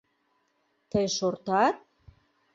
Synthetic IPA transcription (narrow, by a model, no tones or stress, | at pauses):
t̪əjʃort̪ɑt̪̚